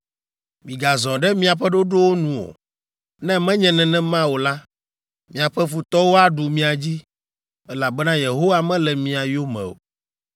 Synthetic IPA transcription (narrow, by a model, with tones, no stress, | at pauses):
mĩ˨ɡa˨zɔ̃˨ɖɛ˦mĩ˦a˨ɸɛ˦ɖo˦ɖo˦wo˦nũ˨o̰˨ | nɛ̃˦mɛ̃˦ɲɛ̃˨nɛ̃˨nɛ̃˦mã˦wo˨la˦ | mĩ˨a˨ɸɛ˦fu˨t̪ɔ˦wo˦a˦ɖu˨mĩ˦a˨d͡ʑi˦ | ɛ˦la˨bɛ˦nã˦je˨ɦo˦wa˦mɛ̃˦lɛ˨mĩ˨a˨jo˦mɛ̰̃˨o̰˨